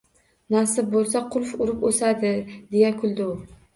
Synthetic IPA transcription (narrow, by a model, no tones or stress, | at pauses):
nasɪp̚bolˠs̬aqʰʊlˠfʊɾɪposad̪ɪd̪e̞jakʰʊlˠd̪ow